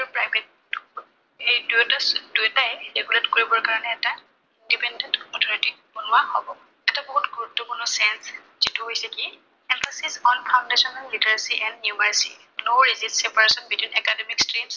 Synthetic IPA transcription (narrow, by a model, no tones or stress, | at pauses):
pɹajbʱetː | ejduɛtasdujɛtajɹɛɡuletkoɹibɔɹkaɹɔnɛːta | indipɛndɛntɔtʰɔnɔtik̚bonʊwahɔbɔ | ɛtabɔɦutɡuɹutːukʊnʊsajns | zituɦojsɛki | ɛmpʰasisɔnpʰaʊ̃ndesɔnalːitaɹsiʔɛndnjumaɹsi | noɹizilsɛpaɹesɔnbitʰwinɛkademikstɹims